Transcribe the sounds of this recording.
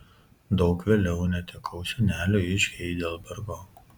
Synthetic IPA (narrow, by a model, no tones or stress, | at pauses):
d̪ɒʊkʋʲeːlʲɛʊnʲɛt̪ʲɛkʰɒʊsʲɛnʲæːlʲuːɪʃʲɛɪd̪ʲeːlˠbʲɐɾɡoː